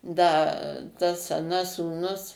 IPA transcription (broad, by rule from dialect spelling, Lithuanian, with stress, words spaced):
ˈdɐ tɐs ɐˈnɐs suːˈnʊs